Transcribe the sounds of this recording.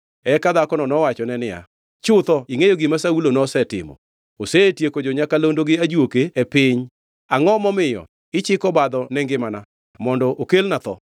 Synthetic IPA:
ɛkad̪akɔnɔnɔwat͡ʃɔnɛnɪja̰ | t͡ʃʊt̪ɔiŋejoɡɪmasaulonɔsɛtɪ̰mɔ̰ | osetjekod͡ʒoɲakalondoɡɪad͡ʒwokeepɪɲ | aŋɔmɔmɪjɔ̰ | ɪt͡ʃɪkɔbad̪ɔnɛŋɡɪmana | mɔndɔʔokelnat̪ɔ̰

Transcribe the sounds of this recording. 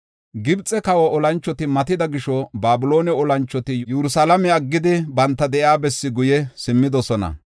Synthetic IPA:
ɡɪbt͡sʼɛkɐwɐʔɔlɐnt͡ʃːɔt̪ɪmɐt̪ɪd̪ɐɡɪʃɔbaːbʊlo̞ːnɛɔlɐnt͡ʃːɔt̪ɪjɛɾʊsalɐmɛɐɡːɪd̪ɪbɐnt̪ːɐd̪ɛʔjaːbɛsːɪɡʊjɛsɪmːɪd̪ɔsɔnɐ̰

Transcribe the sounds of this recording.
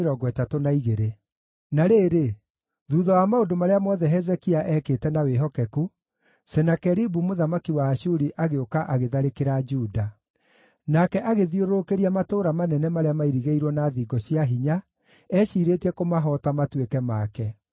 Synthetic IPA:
ɾɔɡwɛtatonaiɣeɾe | naɾeːɾe | ðuːðɔwamaodomaɾeamɔðɛɦɛzɛkiaʔɛkeːtɛnaweɦɔkɛku | sɛnakɛɾibumoðamakiwaːʃuɾiʔaɣeokaʔaɣeðaɾekeɾad͡ʒuːda | nakɛʔaɣeðioɾokeɾiamatoːɾamanɛnɛmaɾeamaiɾiɣeiɾwɔnaːðiːɡɔɕiaɦiɲa | ɛʃiːɾetɛkomaɦɔtamatwekɛmakɛ

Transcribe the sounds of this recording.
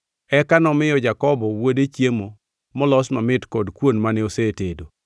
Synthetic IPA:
ɛkanɔmɪjɔd͡ʒakɔbɔwodet͡ʃjemo | mɔlɔsmɔmɪtkɔdkwonmanɛosetedo

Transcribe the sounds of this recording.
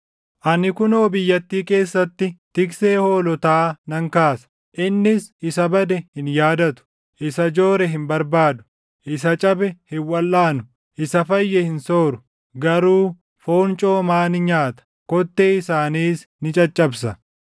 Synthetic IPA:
ʔɐnɪkʊnoːbɪjːɐt̪ːiːke̞ːsːɐt̪ːɪt̪ɪkse̞ːho̞ːlɔt̪aːnɐŋkaːsɐ̥ | ʔɪnːɪsɪsɐbɐd̪ɛhɪnjaːd̪ɐt̪ʊ̥ | ʔɪsɐd͡ʒoːɾɛɦɪmbɐɾbaːd̪ʊ̥ | ʔɪs̬ɐt͡ʃʼɐbɛhɪwɐlːaːnʊ | ʔɪsɐfɐjːɛhɪnso̞ːɾʊ | ɡɐɾuː | foːnt͡ʃʼo̞ːmaːnɪɲaːt̪ɐ̥ | kɔt̪ːeːɪsaːniːsnɪt͡ʃʼɐt͡ʃʼːɐbs̬ɐ

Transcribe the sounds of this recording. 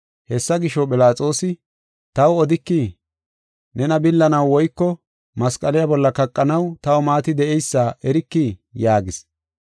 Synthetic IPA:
hɛsːɐɡɪʃɔpɪlaːt͡sʼo̞ːsɪ | t̪ɐwɔd̪ɪkːi | nɛnɐbɪlːɐnɐwːɔjkːɔ | mɐskʼɐlɪjabɔlːɐkɐkʼːɐnɐwt̪ɐwɔmaːt̪ɪd̪ɛʔɛjsːaːʔɛɾɪkːijaːɡɪs

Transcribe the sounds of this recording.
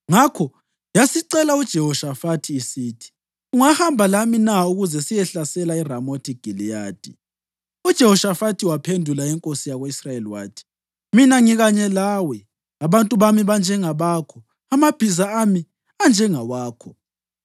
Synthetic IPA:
ŋakʰɔ | jasiǀɛlaud̥ʒ̥ʱɛhɔʃafatʰiːsiːtʰi̥ | uŋahambʱalaminauɣuzɛsijɛɬasɛlairamotʰiɡ̥ʱilijaːd̥ʱḭ | ud̥ʒ̥ʱɛhɔʃafatʰiwapʰendʱulaɛŋkʼosijaɣoisrajeliwa̰ːtʰi̥ | minaŋiɣaɲɛlaːwɛ | aβantʼuβamiβand͡ʒʱɛŋaβaːkʰɔ | amab̥ʱizaami | and͡ʒʱɛŋawaːkʰɔ

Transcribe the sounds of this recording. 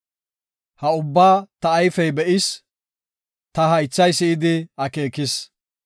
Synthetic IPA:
hɐʊbːaːt̪ɐːjfɛjbɛʔɪs | t̪ɐɦɐjt͡sːɐjsɪɪd̪ɪɐke̞ːkɪs

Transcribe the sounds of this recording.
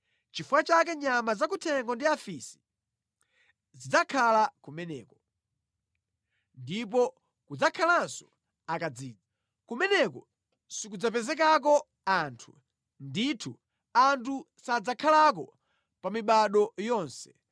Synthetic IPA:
t͡ʃifuwat͡ʃak̬ɛɲamazak̬utʰɛŋɡɔndiafisi̥ | zid͡zakʰalakumɛnɛːkɔ | ndip̬ɔ | kud͡zakʰalansɔ̥ | akad͡ziːd͡za | kumɛnɛkɔ | sikud͡zap̬ɛzɛk̬ak̬ɔ | antʰu | nditʰu | antʰu | sad͡zakʰalak̬ɔ | pamiɓaɗɔjɔːnsɛ̥

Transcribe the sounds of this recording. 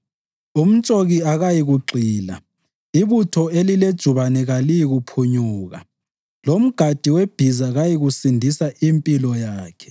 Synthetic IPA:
um̩t͡ʃʼoɣiaɣajiɣuǃiːla̰ | iβutʰɔeliled̥ʒ̥ʱuβanɛɣalijiɣupʰuɲuːɣa̰ | lom̩ɡ̥ʱad̥ʱiweb̥ʱizaɣajiɣusindʱisaʔimpʼilɔjaːkʰɛ̥

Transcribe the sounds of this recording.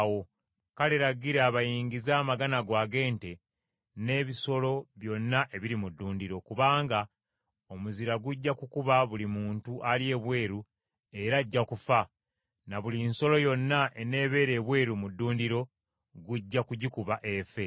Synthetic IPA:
wo̞ | kale̞ɾaɡiɾeaβajiːɲɡizaːmaɡanaɡwaːɡe̞ːnte̞ | ne̞ːβiso̞lo̞βjo̞nːaʔe̞βiɾimudːuːndiɾo̞kuβaːŋɡa | o̞muziɾaɡuɟːakukuβaβulimuːntuʔalje̞ːβwe̞ːɾu | e̞ɾaɟːakufa | naβulinso̞lo̞jo̞nːaʔe̞ne̞ːβe̞ːɾe̞ːβwe̞ːɾumudːuːndiɾo̞ | ɡuɟːakuɟikuβaʔe̞fe̞

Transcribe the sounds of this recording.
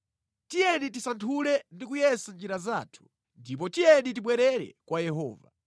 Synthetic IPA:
tijɛnitisantʰulɛndik̬ujɛsand͡ʒiɾazaːtʰu̥ | ndip̬ɔtijɛnit̬iɓwɛɾɛɾɛ̰kwajɛɦɔ̰ːva̰

